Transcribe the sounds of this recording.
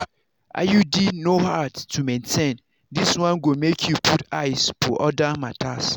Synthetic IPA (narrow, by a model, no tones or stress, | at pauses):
ʔa̰judinohadtʰumẽntʰẽn | diswãnɡomekʰjupʰuta̰ɪsfʰoʔɔdamatʰas